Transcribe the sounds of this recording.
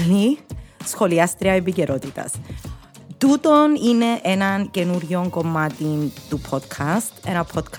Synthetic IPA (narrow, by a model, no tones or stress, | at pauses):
lisxo̞liɐst̪ɾiɐepiceɾʔo̞t̪it̪ɐ̰s | t̪ut̪o̞nine̞ʔenɐnce̞nuɾʝo̞ŋko̞mːɐt̪int̪upʰot̪kʰɐst̪e̞nɐpʰo̞t̪kʰ